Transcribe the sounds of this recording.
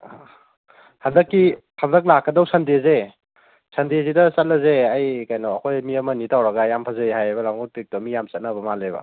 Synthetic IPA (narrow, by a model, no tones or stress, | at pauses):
handɐkːi | handɐk̚lakːɐdawsɐndeze | sɐndezidɐsɐt̚lɐzeajkajnɔɐkʰojmiɐmɐnitʰawɾɐɡajampʰazajɦajajbɐlaŋutik̚tɔmijamsɐt̚nɐbɐmalebɐ̰